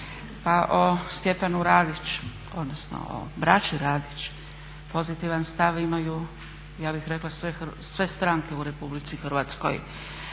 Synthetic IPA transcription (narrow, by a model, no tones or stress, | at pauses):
paʔost̪je̞panuɾaːd̪it͡ʃ | o̞d̪nosno̰o̰bɾat͡ʃiɾaːd̪it͡ʃ | po̞zit̪iʋanst̪aʋimaju | jaːbixɾe̞klasʋesʋe̞st̪ɾaŋke̞uɾe̞publit̪sixr̩ʋat̪sko̰j